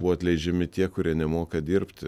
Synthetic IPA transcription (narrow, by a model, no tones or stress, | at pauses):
bʊʋɔɐt̪ʲlʲɛɪd͡ʒʲɛmʲɪt̪ʲiɛkʊɾʲiɛnʲɛmoːkɐd̪ʲiːɾpʲt̪ʲ